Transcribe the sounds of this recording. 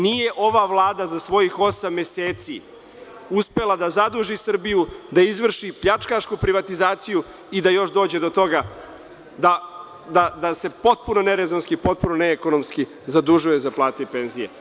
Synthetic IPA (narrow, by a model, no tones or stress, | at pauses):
nije̞ʔo̞ʋaʋlˠaːd̪azasʋo̞jixo̞samːe̞seːt̪si | uspe̞lˠad̪azad̪uʒisr̩bijud̪aizʋr̩ʃipʎat͡ʂkaʃkupɾiʋat̪izaːt̪siju | id̪ajo̞ʃd̪o̞ːd͡ʑe̞d̪o̞t̪o̞ɡa | d̪a | d̪ad̪ase̞po̞t̪̚punoneɾezonskipo̞t̪̚punoneːko̞nomski | zad̪uʒujezaplˠaːt̪epe̞nzijḛ